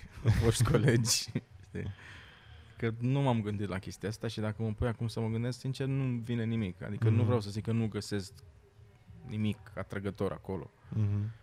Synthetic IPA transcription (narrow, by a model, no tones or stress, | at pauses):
voʃt̪kʰo̞led͡ʒʲt̪ḛ | kənumamɡɨnd̪it̪lakʲe̞st̪iaast̪aʃid̪akəməpujakumsəməɡɨnd̪esksint͡ʃe̞rnuvinenimika̰d̪ikənuvɾeawsəzikənuɡəse̞sk | nimika̰t̪ɾəɡət̪o̞ɾʔa̰ko̞lo̞̰